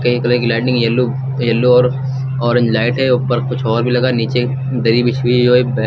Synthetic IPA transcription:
kɐikɐloɡlaːɖɪ̃ŋɡjɐlːu | jɐlːuɔːɾ | ɔːɾẽɲd͡ʒlaːɪʈɦɛopɐɾkʊt͡ʃʰɔːɾbʱilɐɡaːniːt͡ʃe | d̪ɐɾiːbɪt͡ʃʰbʱid͡ʒoːebɛ

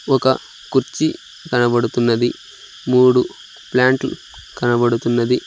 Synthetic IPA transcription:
ɔkɐ̰ | kuɾt͡ʃi | kɐnɐbɐɽut̪unːɐd̪i | muːɽu | plaːɳʈl | kɐnɐbɐɽut̪unːɐd̪i

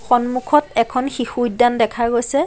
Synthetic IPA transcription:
xɔnmukʰɔtɛkʰɔnxixujdandɛkʰaɹɡojsɛ

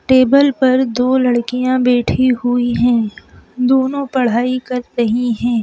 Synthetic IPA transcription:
ʈeːbəlpɐɾd̪oːlɐɽkijãbɛːʈʰiɦʊiɦɛ̃ːd̪oːnõpɐɽ̤aːikɐɾt̪ɐɦĩɦɛ̃ː

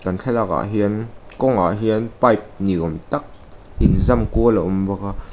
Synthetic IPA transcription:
kant͡ɬʰɛlaka̰ɦiənkɔŋʔa̰ɦiənpajp̚niʔɔmt̪ak̚ | ʔinzamkuəlaʔumvaka

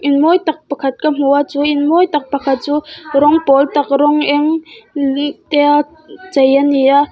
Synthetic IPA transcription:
ʔinmɔjt̪ɐk̚pɐkʰɐt̪̚kam̥uat͡suʔinmɔjt̪ɐk̚pɐkʰɐt̪̚t͡suɾɔŋpɔlt̪ɐk̚rɔŋʔɛŋ | t̪ɛa | t͡sɐjania

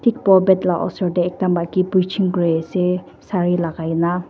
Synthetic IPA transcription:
tʰik̚pɔbɛtlaʔɔ̰sɔdeɛk̚dambakipujt͡ʃʰiŋkɾese | saɾilaɡajna

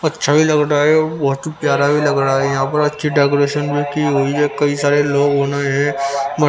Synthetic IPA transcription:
ɐtːʃʰabʱilɐɡɾaɦɛɔːbɐɦʊt̪ɦipjaːɾabʱilɐɡɾaɦɛjɐɦãpɐɾɐtːʃʰiɖaːk̬oɾeːʃənbʱikiɦoːiɛkɐisaːɾeloːɡɦoːnaɦɛ̃mɐ

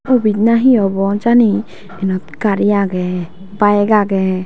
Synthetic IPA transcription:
ubid̪̚naɦĩɔbɔd͡ʒani | ɛnɔt̪̚kaɾijaɡɛ | baɛɡaɡɛ

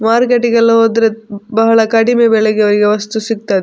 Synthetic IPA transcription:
maːɾkeʈːiɡɐlːɐɦoːd̪ɾebɐɦɐɭɐkɐɽimebɛɭeɡeɐʋɐɾiɡeʋɐst̪usik̚t̪aːd̪

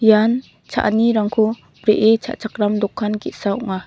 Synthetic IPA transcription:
jan | t͡ʃʰa̰ʔniɾaŋkʰɔ | b̥ɾeʔet͡ʃʰa̰ʔt͡ʃʰak̚ɾamdɔkʰːanɡit̚saɔŋa

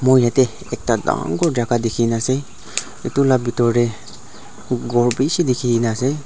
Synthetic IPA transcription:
mɔjat̪e | ek̚t̪ad̪a̰ŋɡoɾd͡ʒakad̪ekʰinase | it̪ulabit̪ɔɾe | ɡɔɾbisid̪ikʰinase

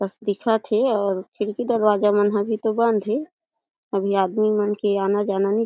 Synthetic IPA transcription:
təsd̪ikʰat̪ʰeɔːɾkʰɪɽkid̪əɾwaːd͡ʒamənɦabʱit̪obə̃nd̪ʱɦe | əbʱiaːd̪mimənkeaːnad͡ʒananĩ

